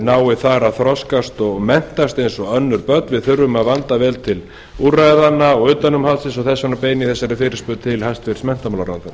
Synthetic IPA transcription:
naːwɪθaɾaðθɾɔskast̪ɔɣmɛn̥t̪ast̪ejnsɔœnːʏɾpœt̪vɪðθʏrːʏmaðvant̪avɛːlt̪ʰɪl | uːrajðanːaɔɣʏːt̪anʏmhalsɪsɔɣθɛsːanapeːjnɪθɛsːaɾɪfɪːɾɪ̥spʏt̪ʰɪlhajst̪fɪɾ̥smɛn̥t̪amaːlaɾa̰θaɾ

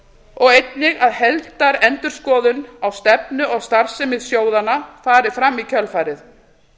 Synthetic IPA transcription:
ɔɣejt̪nɪɣaðhɛlt̪aɾɛnt̪ʏɾ̥skɔːðʏnawst̪ɛpnʏʔɔɣst̪ar̥sɪmɪðsjoːwðanafaːɾɪfɾamːicʰœlfaːjɾɪθ

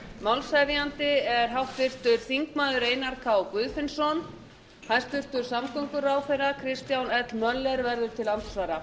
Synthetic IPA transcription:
mawlsajvɪant̪ɪɛɾ̥ɦawht̪vɪr̥t̪ʏɾ̥θiŋkmaːðʏɾeːjnaɾkʰaɔkvʏðfɪnsɔn | hast̪vʏr̥t̪ʏɾ̥samkɔŋkʏɾaːwfɛjɾakʰɾɪst̪jawnɛt̪lmœlːɛɾvɛɾðʏɾ̥t̪ʰɪlant̪svaːɾa

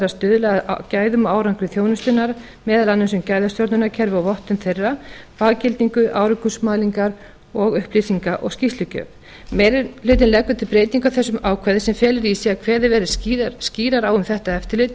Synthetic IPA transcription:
ɾast̪ʏːðʏla̰caːjðʏmaːwɾaŋkɾʏθjoːwnʏst̪ʏnːaɾ | mɛːðalanːʏmsɛmcaːjðast̪jɔɾt̪ʏnacʰɛɾvʏawvɔht̪ʏnθejrːapaːɣcɪlt̪niŋkʏʔa̰ːwɾʏkusmaːliŋkaɾ | ɔɣʏhpliːsiŋkaʔɔ̰ɣscist̪lʏcœ̰ːv | lʏːt̪̬ɪnlɛkvʏt̪ʰɪlpɾeːjt̪niŋkawθɛsːʏmaːwkʰvɛðɪsɛmfjɛːlɪɾisiakʰvɛːðɪvɛːɾɪsciːɾaɾaːwʏmθɛht̪aɛft̪ɪɾlɪt̪

